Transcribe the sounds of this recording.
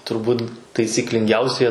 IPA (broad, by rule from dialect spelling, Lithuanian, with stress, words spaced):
tʊrˈbuːt tɐɪsʲiːklʲɪŋʲˈɡʲɛʊsʲiɛ